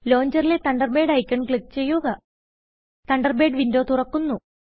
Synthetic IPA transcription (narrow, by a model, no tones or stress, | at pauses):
lo̞ːɲd͡ʑɐrile̞t̪ɐɳɖɐrbe̞ːɖɐjkʲːɐɳkɭikːt͡ɕe̞jːuɣɐ | t̪ɐɳɖɐrbe̞ːɖʋindo̞ːt̪urɐkːunːu